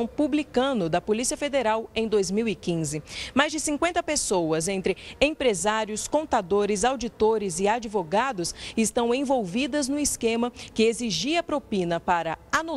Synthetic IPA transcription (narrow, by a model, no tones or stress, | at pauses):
w̃publikɐ̃nʊd̪ɐpolisiɐfed̪eɾawẽj̃d̪ojzmiwɪkĩzɪmajzd͡ʒɪsĩŋkwẽnt̪ɐpesowɐzẽnt̪ɾɪẽpɾezaɾjʊskõnt̪ad̪oɾɪzawd͡ʒit̪oɾɪzɪad͡ʒivoɡad̪ʊsɪst̪ɐ̃w̃ẽvowvid̪ɐznʊɪskẽmɐkɪeziʒiɐpɾopĩnɐpaɾɐanu